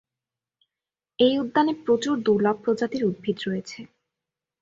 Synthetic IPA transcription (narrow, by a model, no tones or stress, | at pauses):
ejud̪ːanepɾot͡ɕuɾd̪uɾlɔɡ̚pɾod͡ʑat̪iɾud̪̚bʱid̪ɾojet͡ɕʰe